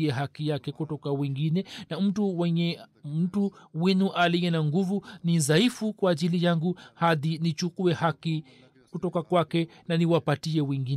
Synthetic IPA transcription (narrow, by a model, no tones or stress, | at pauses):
ɛɦakijakɛkutɔkawɛŋɡinɛnam̩tuwɛɲɛm̩tuwinuʔalijɛnaŋɡuvunizaifukwaːʄilijaŋɡuhaðinit͡ʃukuɛhaki | kutɔkakwakɛnaniwapatiɛwɛŋɡi